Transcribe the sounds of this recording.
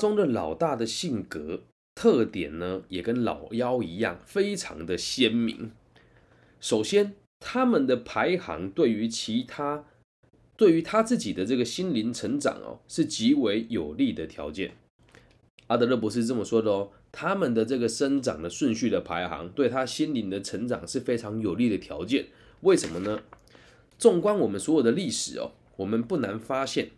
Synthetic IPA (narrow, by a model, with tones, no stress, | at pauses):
t͡sʊ˥ŋd̪ə˨lɑ˨˩ʊt̪a˥˩d̪ə˨ɕi˥˩ŋkə˧˥˦ | t̪ʰɤ˥˩t̪jɛ̰˨˩nnə˦jɛ˨˩kə˦nlɑ̰˨˩ʊjɑ˦˥ʊi˧˥jɑ̰˥˩ŋfe˥ɪʈ͡ʂʰɑ̰˧˥ŋd̪ə˨ɕjɛ˥nmḭ˧˥ŋ | ʂo˨˩ʊɕjɛ˥n | t̪ʰa˦˥mə˨nd̪ə˨pʰa˧˥ɪxɑ̰˧˥ŋt̪we˥˩ɪy˧˥t͡ɕʰi˧˥t̪ʰa˥ | t̪we˥˩y˧˥˦t̪ʰa˥t͡sɹ̩˥˩t͡ɕi˨˩d̪ə˦t͡sɤ˥˩ɡə˩ɕi˥nli˧˥nt͡sʰə˧˥ŋʈ͡ʂɑ̰˨˩ŋɐ̰˩ʂɻ̩˥˩t͡ɕi˧˥we˧˥ɪjo˨˩ʊli˥˩d̪ə˩t̪ʰjɑ̰˧˥ʊt͡ɕjɛ̰˥˩n | a˥d̪ə˧lə˥˩p̬u˧˥ʂ̬ɻ̩˥˧t͡sə˥˩mə˩ʂwɔ˥d̪ə˨˦ | t̪ʰa˥mə˨nd̪ə˨ʈ͡ʂɤ˥˩ɡə˩ʂə˥nʈ͡ʂɑ̰˨˩ŋd̪ə˦ʂwʊ˥˧nɕy˥˩d̪ə˩pʰa˧˥ɪxɑ̰˧˥˦ŋt̪we˥˩ɪt̪ʰa˥ɕi˥nli˧˥nd̪ə˨ʈ͡ʂʰə˧˥ŋʈ͡ʂɑ̰˨˩ŋʂɻ̩˥˩fe˥ɪʈ͡ʂʰɑ˧˦˥ŋjo˨˩ʊli˥˩d̪ə˩t̪ʰjɑ̰˧˥ʊt͡ɕjɛ˥˩˨n | we˥˩ɪʂə˧˦nmə˧nə˧ | ʈ͡ʂʊ˥˩ŋkwa˥nwɔ˨˩mə˦nswɔ˧˥jo˨˩d̪ə˦li˥˩ʂɻ̩˨˩ɐ̰˩ | wɔ˨˩mə˨˦npu˥˩na˧˥nfa˥ɕjɛ˥˩n